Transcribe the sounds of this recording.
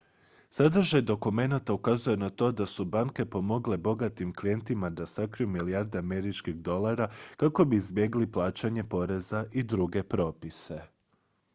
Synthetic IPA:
sad̪ɾ̩ʒajd̪o̞kume̞nat̪aukazuje̞nat̪o̞ːd̪asubaŋke̞po̞mo̞ɡle̞bo̞ɡat̪imklije̞nt̪imad̪asakɾijumilijaɾd̪eame̞ɾit͡ʃkiɣd̪o̞lˠaɾakako̞biizbje̞ɡliplˠaːt͡ʃaɲe̞po̞ɾe̞zaʔid̪ɾuɡe̞pɾo̞ːpise̞

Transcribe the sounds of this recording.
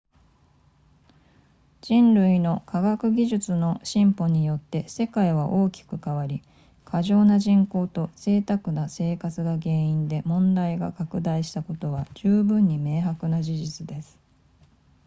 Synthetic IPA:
d͡ʑ̥ĩnɾɯ̟ino̞kʰaɡakɯ̟ɡʲiʑɨt͡sɨno̞ɕĩmpo̞ɲ̟ijo̞t̪ːe̞se̞kaiβaʔo̞ːkʲi̥kɯ̟kaβaɾʲi | kʰaʑo̞ːnaʑĩŋko̞ːt̪o̞se̞ːt̪akɯ̟nase̞ːkat͡sɨɡaɡe̞ːĩnd̪e̞mõ̞nd̪aiɡa̰kakɯ̟d̪aiɕi̥t̪ako̞t̪o̞βad͡ʑɨːbɯ̟̃ɲ̟ːime̞ːɦakɯ̟nad͡ʑiʑit͡sɨd̪e̞sɨ̥

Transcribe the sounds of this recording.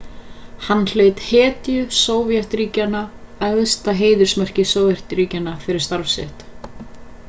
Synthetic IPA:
hanːl̥eːɥt̪hɛːt̪jʏsoːwvjɛht̪ɾiːcanaœðst̪aɦeːjðʏɾ̥smœr̥cɪsoːwvjɛr̥t̪ɾiːcanafɪɾɪɾ̥st̪aɾfsɛ̰ht̪

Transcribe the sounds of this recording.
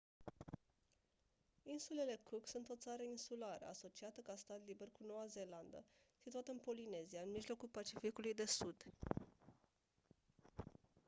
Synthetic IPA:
insule̞le̞kuksunt̪o̞t̪saɾəinsulaɾḛa̰so̞t͡ʃiat̪əkast̪at̪libe̞rkuno̞waze̞land̪ə̰ | sit̪uat̪əɨnpo̞line̞ziaɨnmiʒlo̞kulpat͡ʃifikulujd̪e̞sud̪

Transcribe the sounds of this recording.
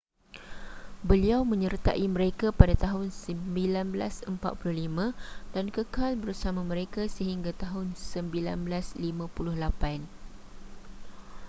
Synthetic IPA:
bəliawmə̃ɲərt̪aʔimə̃ɾekapadat̪aɦʊnsəmbilanbəla̰səmpa̰t̪̚pulʊhlimãdankəkalbəɾsamãmə̃ɾekasəɦiŋɡat̪aɦʊnsəmbila̰nbəlaslimãpulʊhlapan

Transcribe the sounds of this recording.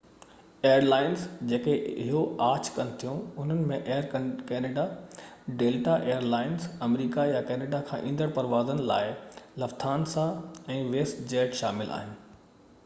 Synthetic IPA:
eːəɾlaːɪnzd͡ʑeːkeɪɦoaːt͡ɕkɐnɪt̪ʰijũʊn̤ənɪ̆mẽʔeːəɾkɛːneːɖaɖeːlʈaʔeːjəɾlaːɪnzɐmɾiːkajakɛːneːɖakʰãːʔĩːn̆d̪əɽpɐɾʋaːzənɪ̆la̰ːɪlɐft̪ʰaːnsaɛ̃ːʋeːsʈd͡ʑeːʈʃaːmɪlʔa̰ːɦɪnɪ̆

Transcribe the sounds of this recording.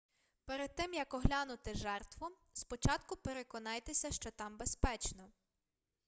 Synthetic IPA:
peɾed̪̚t̪ɪmjɐkɔɦlʲanʊt̪ɪʒɛrt̪ʋɔ | spɔt͡ʃɑt̪kʊpeɾekɔnɑjt̪esʲɐʃt͡ʃɔt̪ɑmbespɛt͡ʃnɔ

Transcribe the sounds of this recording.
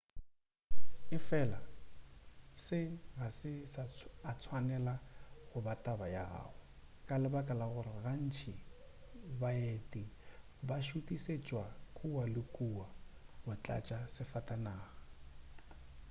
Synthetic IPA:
ɪfɛla | sɪɣasɪsaat͡sʰwanɛlaɣʊbatʼabaja̰a̰ːʊ | kʼalɪbakʼalaɣʊrɪɣan̩t͡ʃʰi | bajetʼi | baʃutʼiset͡ʃʼwakʼuwalɪkʼuwaɣʊt͡ɬʼa̰t͡ʃʼasɪfatʼanaːɣa

